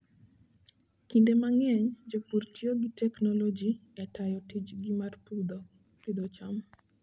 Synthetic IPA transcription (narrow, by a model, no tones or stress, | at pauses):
kindemaŋɛɲd͡ʒepurtjoɡitɛknɔlod͡ʒiɛtajɔtit͡ʃɡimarpud̪ | pid̪ɔt͡ʃam